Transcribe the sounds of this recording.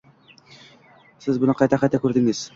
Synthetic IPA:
sɘzbŭnɤqɑjt̪æχæt̪ːækʉɾd̪ɘ̆ŋɘz̥

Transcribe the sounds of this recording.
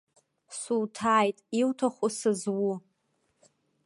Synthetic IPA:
suwtʰaːjtʼiwtʰaχʷʊsɨzwʊ

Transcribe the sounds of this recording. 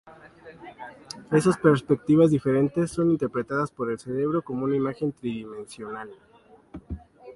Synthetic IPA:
e̞saspe̞ɾspek̚t̪iβazðife̞ɾe̞nt̪e̞sːo̞nint̪eɾpɾe̞t̪aðaspo̞ɾe̞lse̞ɾe̞βɾo̞ko̞mo̞unaimaxe̞nt̪ɾiðimẽ̞nsjo̞nal

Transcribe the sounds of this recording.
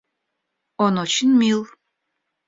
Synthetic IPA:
onot͡ɕinmilˠ

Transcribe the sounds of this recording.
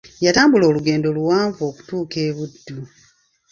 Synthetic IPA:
jataːmbulo̞ːluɡe̞ːndo̞luwaːɱvo̞ːku̥tuːke̞ːβudːu

